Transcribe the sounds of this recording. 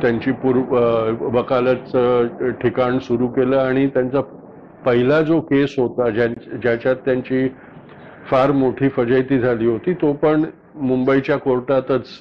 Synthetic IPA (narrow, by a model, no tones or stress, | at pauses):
t̪jaɲt͡ɕiːpuɾ | ʋəkalət͡səʈʰikaɳsuɾuːkeləːaɽ̃it̪jant͡sa | pəɦilad͡zokesɦot̪ad͡ʑad͡ʑjat͡ɕjat̪ːjaɲt͡ɕiː | faɾmoʈʰiːfəd͡ʑəjt̪iːd͡zʱaliːɦot̪iːt̪opəɳ | mumbəit͡ɕjakoɾʈat̪ət͡s